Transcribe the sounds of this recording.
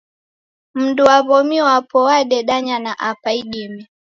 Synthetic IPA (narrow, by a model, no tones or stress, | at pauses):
m̩duwaβɔmiwapɔwaɗɛɗaɲanaʔapaiɗimɛ